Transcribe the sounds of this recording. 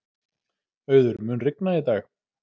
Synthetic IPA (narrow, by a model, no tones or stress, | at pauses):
œːɥðʏɾmʏːnrɪknait̪aːx